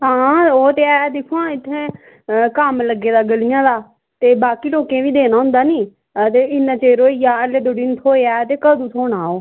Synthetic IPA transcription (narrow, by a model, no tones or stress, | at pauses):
ɦãːoːt̪eːɛːd̪ɪkʰːuãːɪt̪ʰːẽː | kəmləɡːeːd̪aːɡəlɪjãːd̪aː | t̪eːbaːkiːʈoːkẽːʋiːd̪eːnaːɦʊ̃nd̪aːniː | t̪eːɪnːãːt͡ʃeːɾoːiːjaːəleːd̪oɖiːnt̪ʰoːeːaːt̪eːkəd̪uːt̪ʰoːnaːoː